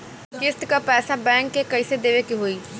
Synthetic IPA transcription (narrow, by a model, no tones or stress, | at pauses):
kɪst̪kapɛːsabɛ̃ːŋkːekɐised̪eːʋekiɦoːi